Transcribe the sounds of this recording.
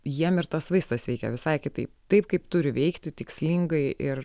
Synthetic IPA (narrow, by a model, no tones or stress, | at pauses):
jiɛmɪrt̪ɐsʋɐɪst̪ɐsʋʲɛɪkʲɛ̰ʋʲɪsɐɪkʲɪt̪ɐɪp̚t̪ɐɪpkɐɪpt̪ʊɾʲɪʋʲɛɪkt̪ʲɪt̪ʲɪksʲlʲiŋɡɐɪʔɪr